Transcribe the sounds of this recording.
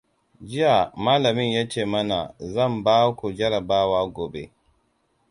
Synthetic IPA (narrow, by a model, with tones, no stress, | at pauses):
d͡ʒɪ˦ja˨maː˦la˨mɪ˦nja˦t͡ʃeː˦˨ma˦na˨zɐ˦˨mbaː˦ku˨d͡ʒɐ˦ɾa˨baː˦waː˦ɡɔ˨be˦